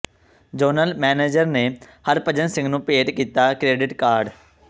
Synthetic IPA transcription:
d͡ʒəːnəlmɛːneːd͡ʒəɾneːhəɾpəd͡ʒənsɪ̃ŋɡnũːpeːʈkiːt̪aːkɾeːɖɪʈkaːɾɖ

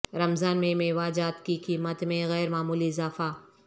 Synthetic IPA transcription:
ɾɐmzaːnmẽmẽʋaːd͡ʒaːt̪kikiːmət̪mẽɣɛːɾmaːmuːliɪzaːfa

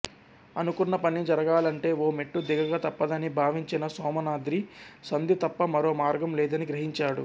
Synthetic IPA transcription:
ɐnukunːɐpɐnid͡ʒɐɾɐɡaːlɐɳʈe̞ːoːmeʈːud̪iɡɐɡaːt̪ɐpːɐd̪ɐnibʱaːʋiɲt͡ʃinɐsɔːmɐnaːd̪ɾisɐnd̪it̪ɐpːɐmɐɾo̞ːmaːɾɡɐmlɛːd̪ɐniɡɾɐɦiɲt͡ʃaːɽṵ

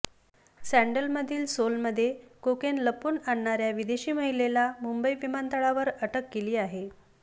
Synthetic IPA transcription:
sæɳɖəlməd̪ʱiːlsolməd̪ʱːjekokenləpuːnaɳːaɾjaʋid̪eɕiːməɦilelamumbəiʋimant̪əɭaʋəɾəʈəkːeliːaɦe

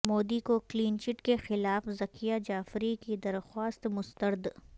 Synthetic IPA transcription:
moːd̪ikokliːnt͡ʃɪʈkexɪlaːfzɐkʰijad͡ʒaːfɾikid̪ɐɾxwaːst̪mʊst̪əɾd̪

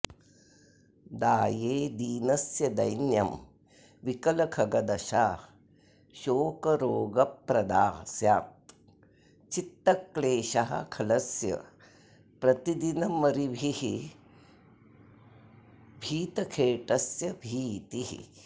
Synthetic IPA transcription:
d̪aːjeːd̪iːnɐsjɐd̪ɐjnjɐm | ʋikɐlɐkʰɐɡɐd̪ɐʃaː | ʃoːkɐɾoːɡɐpɾɐd̪aːsjaːt̪ | t͡ʃit̪ːɐkːleːʃaɦɐ̰kʰɐlɐsjɐ̰ | pɾɐt̪id̪inɐmɐɾibʱihi | bʱiːt̪ɐkʰeːʈɐsjɐbʱiːt̪iɦḭ

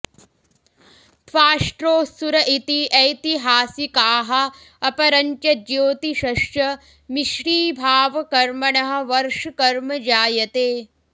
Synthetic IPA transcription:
t̪faːʂʈɾoːsuɾɐʔit̪iʔɐjt̪iɦaːsikaːɦɐ̆ | ɐpɐɾɐɲt͡ʃɐd͡ʒjoːt̪iʃɐʃjɐ | miʃɾiːbʱaːʋɐkɐɾmɐɳɐɦɐ̆ʋɐɾʂkɐɾmɐd͡ʒaːjɐt̪eː

